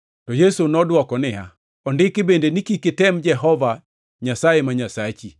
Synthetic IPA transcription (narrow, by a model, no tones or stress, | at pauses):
tɔjesunɔdwɔkɔnɪa̰ | ɔndɪkɪbendenikikɪtɛmd͡ʒɛɦɔva | ɲasajemaɲasat͡ʃi